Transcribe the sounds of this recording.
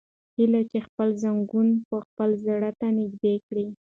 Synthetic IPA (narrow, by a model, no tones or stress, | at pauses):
hilat͡ʃexpəlzaŋɡunpəxpəlzaɽat̪anɪɡd̪ekɽi